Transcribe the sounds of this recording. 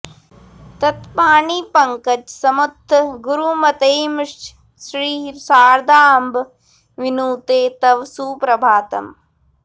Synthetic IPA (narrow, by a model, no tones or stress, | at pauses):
t̪ɐt̪paːɳiːpɐŋkɐt͡ʃsɐmut̪ʰːɡuɾumɐt̪ɐjmʂʈ | sɾiːɦɾsaːɾd̪aːmb | ʋinuːt̪eːt̪ɐʋsuːpɾɐbʱaːt̪ɐ̰m